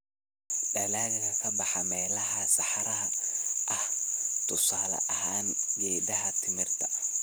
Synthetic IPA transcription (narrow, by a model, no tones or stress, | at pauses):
ɖɐlaːɣɪkʰɐkʰɐbɑħɑmɛːlɐɦɐsɑħɑɾɐɦɐʔɐht̪ʰʊsaːlɐ̰ʔɐhaːnjɛːdɐɦɐt̪ʰɪmɪrt̪ʰɐ̥